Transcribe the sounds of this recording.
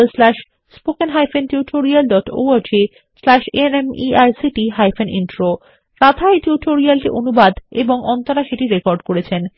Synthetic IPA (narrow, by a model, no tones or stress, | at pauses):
lslɛʃ | spokenɦajfenʈiʈʰoɾialɖɔʈo̰aɾd͡ʑe | slɛʃḛnemiajsiʈiɦajfʰenʔḭnʈɾo | ɾat̪ʰajʈuʈoɾialʈiʔonubad̪eboŋɔnt̪aɾaʃeʈiɾekɔɾɖkoɾet͡ɕʰen